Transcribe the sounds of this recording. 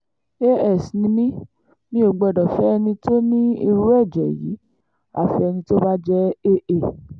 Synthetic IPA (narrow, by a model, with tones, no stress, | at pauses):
e˦ɛ˦˨snĩ˧nĩ˦ | mĩ˧˦o˨˧ɡ͡bɔ˧˨dɔ˨fɛ˨˦ɛ˧nĩ˧to˦nĩ˦i˧ɾu˦ɛ˦˨d͡ʒɛ̰˨jḭ˨˦ | a̰˦˨fi˧ɛ˧nĩ˧to˦ba˦d͡ʒɛ˦e˦ʔe˦˨